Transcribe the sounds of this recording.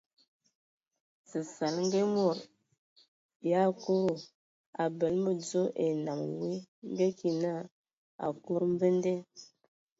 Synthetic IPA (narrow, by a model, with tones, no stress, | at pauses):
sə˨sa˨lŋ˦ɡe˦mo˨ɾ | ja˦˨ko˦ɾo˦˨ | a˨bə˨lmə˦d͡zo˦ʔe˨na˨mwe˦ŋ˦ɡe˦ki˨na˦˨ | a̰˨ko˦ɾm˦bə˦nde˦